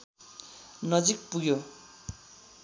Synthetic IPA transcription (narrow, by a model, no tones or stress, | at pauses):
nʌd͡zik̚puɡjo